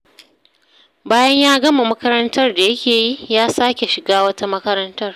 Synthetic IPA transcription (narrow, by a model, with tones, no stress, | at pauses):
baː˦jɐ˦ɲjaː˦ɡɐ˦ma˨mɐ˦kɐ˦ɾɐ˦ntɐ˦rda˨jɐ˦kʲeː˨jiː˦jaː˦saː˦kʲe˨ʃɪ˨ɡaː˦wɐ˦ta˦mɐ˦kɐ˦ɾɐ˦ntɐ˦r